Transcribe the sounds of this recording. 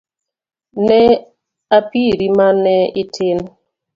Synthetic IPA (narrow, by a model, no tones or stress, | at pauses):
nɛ | apiɾimanɛɪtʰɪn